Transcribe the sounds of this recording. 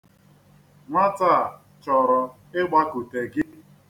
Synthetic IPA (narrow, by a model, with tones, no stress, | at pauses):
ŋʷa˦ta˦˨ | t͡ʃɔ˨ɾɔ˨ | ɪ˦ɡ͡ba˦ku˨te˨ɡɪ˦